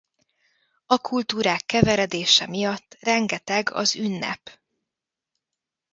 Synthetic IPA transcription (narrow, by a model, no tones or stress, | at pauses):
ɒkʰult̪uːɾaːkːɛvɛɾɛd̪eːʃɛmijɒt̪ːrɛŋɡɛt̪ɛɡɒ̰zynːɛ̰p